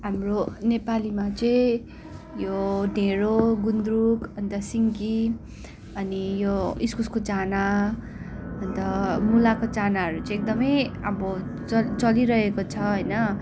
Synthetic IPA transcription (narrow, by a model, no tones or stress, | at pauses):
ɦamronepalimat͡sʌĩ | joneɾoɡund̪rukʌnt̪ʌsiŋki | ʌnijoiskuskot͡sana | ʌnt̪ʌmulakot͡sanaɦʌɾut͡sʌ̃ĩek̚d̪ʌmʌjʌbʌ | ʌt͡sʌliɾʌɦekot͡sʰʌɦojnʌ